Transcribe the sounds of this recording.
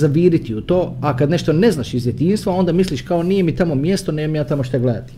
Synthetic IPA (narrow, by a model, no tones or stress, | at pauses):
zaʋiːɾit̪iut̪o̞ːakad̪ne̞ʃt̪o̞ne̞znaːʃizdjet̪iːnst̪ʋao̞nd̪amisliʃkao̞niːjemit̪amo̞mjest̪oneːmamjaːt̪amoʃt̪aɡled̪a̰t̪i̥